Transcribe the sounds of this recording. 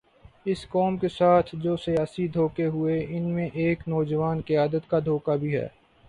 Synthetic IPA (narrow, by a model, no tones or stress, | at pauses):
ɪskɔːmkesaːt̪ʰd͡ʒoːsijaːsid̪ʱoːkeɦʊeʔɪnmẽʔeːknɔːd͡ʒəʋaːnkɪjaːd̪ət̪kad̪ʱoːkabʱiɦɛ̰ː